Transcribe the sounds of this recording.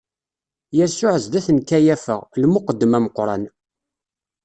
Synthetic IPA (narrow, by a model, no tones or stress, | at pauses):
jæsʊʕəzd̪æθənkæjæfə̰ʁlmʊqəd̪ːəmæməqɾˤɑ̰n